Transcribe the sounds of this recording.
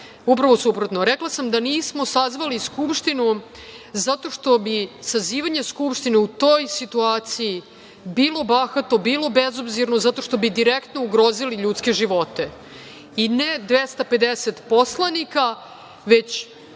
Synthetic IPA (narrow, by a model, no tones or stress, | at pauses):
upɾaʋo̞supɾot̪noɾeklasamd̪aniːsmo̞sazʋaliskupʂt̪inu | zat̪o̞ʂt̪o̞bisaziːʋaɲeskupʂt̪ineut̪o̞jsit̪uaːt̪siji | biːlˠo̞baxat̪obiːlˠo̞bezobziɾno̞zat̪o̞ʃt̪o̞bid̪iɾekt̪nouɡɾoːziliʎut̪ske̞ʒiʋo̞t̪e | ined̪ʋest̪ape̞d̪eset̪po̞slanika | ʋe̞t͡ɕ